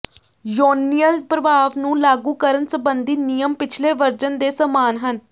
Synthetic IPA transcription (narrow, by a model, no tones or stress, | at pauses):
joːnijəlpɾəʋaːʋnũːlaːɡũːkəɾənsəbənd̪iːnijəmpɪt͡ʃʰleːʋəɾd͡ʒənd̪eːsəmaːnɦən